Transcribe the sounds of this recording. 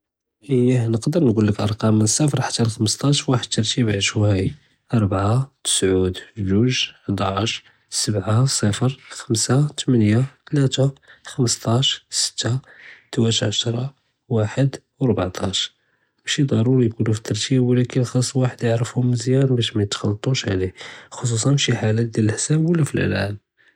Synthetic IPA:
ʔəjæhnəqd̪əɾnɡulːəkʔɑɾˤqɑməsˤːæfəɾˤħḁt̪ːælxəməst̪ˤɑʃwaħəd̪̚t̪ːɑɾˤt̪ibʕəʃwæj | ʔɑɾˤbʕat̪ə̥sʕud̪ʒuʒħd̪ˤɑʃ | səbʕasˤəfəɾxəmsat̪mənjat̪læt̪axəməst̪ˤɑʃsə̥t̪ːat̪wæt̪ʕaʃɾˤɑ | waħəd̪ | wɾbaʕt̪ʰˤɑʃ | bæʃid̪ˤɑɾˤuɾijkunufit̪ːɑɾˤt̪ʰiwlækənxɑsˤːwaħəd̪jəʕɾəfhʊmzjænbæʃmæjət̪xɑlːt̪ˤuʃʕlixos̬usˤɑnʃiħalæt̪̚d̪jələləħsæbwəlːæfilʔlʕæ̰ləm

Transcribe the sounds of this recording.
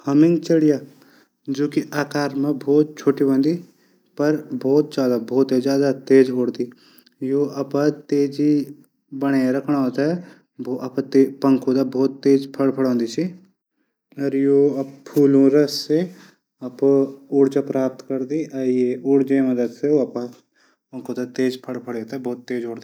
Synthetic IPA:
hɐmɪ̃ŋɡt͡ʃəɽijaː | d͡ʒoːkiʔaːkaːɾmẽbʱɔːt̪̚t͡ʃʰoːʈibə̃nd̪i | pɐɾbʱɔːt̪̚d͡ʒaːd̪abʱoːt̪ed͡ʒjaːd̪at̪eːd͡ʒoːɽd̪iː | joːɐpat̪eːd͡ʒi | bɐɽ̃eɾɐkʰɽ̃aot̪a | bɐpt̪epəŋkʰõd̪aːbɔːt̪ːeːd͡ʒpʰəɽpʰəɽõːnd̪iːt͡ʃʰi | ɐɾjoːppʰːuːlũːɾəsːe | ɐpʊɽt͡ʃapɾaːp̚t̪kəɾd̪iːʔjeːʊɽd͡ʒẽːməd̪əd̪seoːəpã | pə̃ŋkoːd̪at̪eːd͡ʒpʰəɽpʰəɽeːt̪abɔːt̪ːeːd͡ʒoːɽd̪i

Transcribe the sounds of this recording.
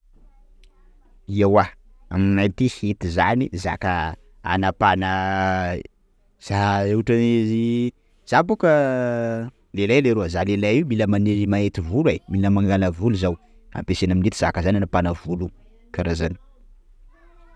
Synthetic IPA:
iawa | a̰minajt̪ihet̪izaniza̰kə | a̰napanə | z̥aeuʈ͡ʂanizi | z̥abukə | lelajleɾuəzalelajiwmiləmaneɾimaet̪ivulajmiləmaŋɡaləvuluzaw | a̰mpesenaminet̪iz̥akəzananapanəvulu | kaɾazani̥

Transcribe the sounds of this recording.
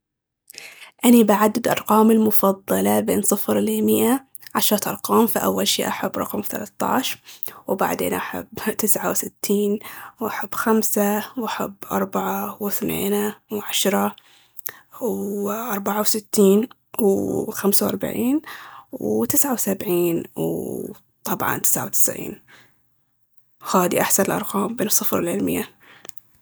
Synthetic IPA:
ʔanibaʕad̪ːɪd̪ʔɑ̰ɾˤqɑːmɪlmʊfɑðˤːɑlɑbeːnsˤɨfɾliːmɪʔa | ʕaʃɾˤɑt̪ʔɑɾˤqɑːmfiʔa̰wːalʃḭːʔaħabːɾˤɑ̰qmθa̰lat̪ˤːɑ̰ːʃwba̰ʕd̪ḛːnʔaħa̰bːt̪ɪsʕawsɪt̪ːiːnwʔaħabːxamsawʔaħa̰bːʔɑ̰ɾˤbaʕawɪθnḛːnawʕaʃɾˤɑ | ʔɑɾˤbaʕawsɪt̪ːiːn | wxamsawʔɑɾˤba̰ʕiːnwt̪ɪsʕawsabʕiːnw | t̪ˤɑbʕɑ̰nt̪ɪ̥sʕa̰wt̪ɪ̥sʕḭːn | haːd̪iʔaħsanɪlʔɑ̰ɾˤqɑːmbeːnɨsˤːɨfɾɪlʕɪlmɪ̰jːa

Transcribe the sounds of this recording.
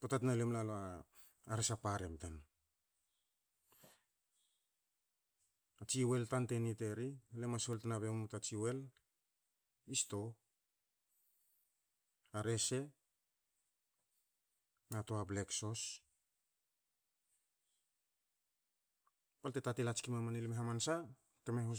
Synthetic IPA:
potatnalemlalo | aɾesapaɾemtan | at͡ʃiwe̞ltante̞nite̞ɾialemasoltanaβe̞mutat͡ʃiwe̞l | isto̞ | aɾe̞se̞ | natoablekso̞s | paltetatilat͡ʃkimamanilmeɦamansa | temeɦo

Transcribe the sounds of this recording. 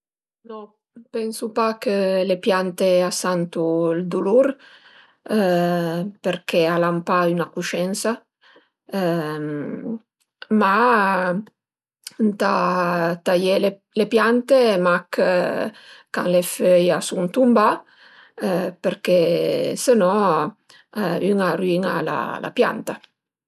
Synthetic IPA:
nɔ | pɛnsupakəlepjant̪easant̪uld̪uluɾ | peɾkealampaynakuʃɛnsa | ma | nt̪at̪ajele | lepjant̪emak | ka̰ŋleføjasuŋt̪umba | peɾkesenɔ | yŋariŋa̰la̰la̰pja̰nt̪a

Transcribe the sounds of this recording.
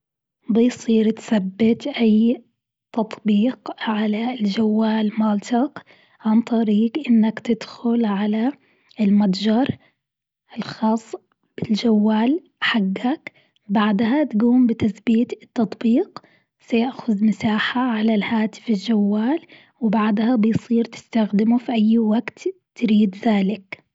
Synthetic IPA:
bɪjsˤiːɾt̪θabːɪt̪ʔaj | t̪ɑt̪ˤbiːqʕalald͡ʒawːaːlmalt̪ʰaq | ʕant̪ˤɑɾiːɡʔɪnːakt̪ɪd̪xʊlʕala | ɪlmad̪d͡ʒɑɾˤ | ʔɪlxɑːsˤː | b̥ɪld͡ʒawːaːl | ħaɡːak | baʕd̪hat̪ɡuːmbɪt̪aθbiːt̪ɪt̪ːɑt̪ˤbiːq | sajaʔxʊðmɪsaːħaʕalalhaːt̪ɪ̥fɪld͡ʒawːaːl | wɪbaʕd̪habɪjsˤiːɾt̪ɪ̥st̪axd̪ɪmufiʔajːwaɡt̪ː | ɾiːd̪ðaːlɪk

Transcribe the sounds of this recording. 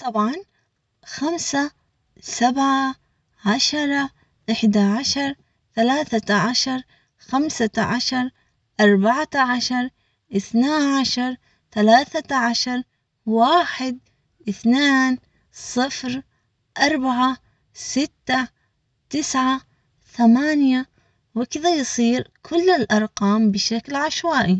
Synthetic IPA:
t̪ˤɑbʕɑn | xamsa | sabʕa | ʕaʃɑɾˤɑ | ʔɪħd̪aʕaʃɑɾˤ | θalaːθaʕaʃɑɾˤ | xamsaʕaʃɑɾˤ | ʔɑɾˤbaʕaaʕaʃɑɾˤ | ʔɪθnaːʕaʃɑɾˤ | θalaːθaʕaʃɑɾˤ | waːħɪd̪̚ | ʔɪθneːn | sˤɨfɾ | ʔɑɾˤbaʕa | sɪt̪ːa | t̪ɪsʕa | θamaːnja | wɪkɪðajsˤiːɾkʰʊlːɪlʔɑɾˤqɑːmbɪʃaklʕaʃwaːʔi

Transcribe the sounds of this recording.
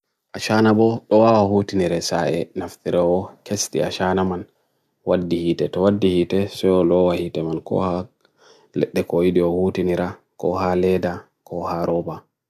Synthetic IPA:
ʔaʃanabɔɗɔwawahutiniɾɛsaɛnaftiɾɛwɔkestḭaʃanaman | wadːihiːtɛtɔwadːihitɛsɛɔlɔwahitɛmankɔ̰ha | lɛ̰ɗːɛkojidiɔhutiniɾa | kɔ̰halɛda | kʰɔhaɾʔɔba

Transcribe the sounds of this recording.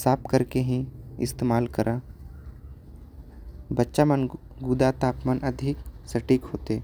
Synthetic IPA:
saːpkɐɾkeɦĩɪ̰st̪eːmaːlkɐɾʔa | bɐtːʃamən | ɡuːd̪at̪aːpmənɐd̪ʱɪksɐʈiːkɦoːt̪eː

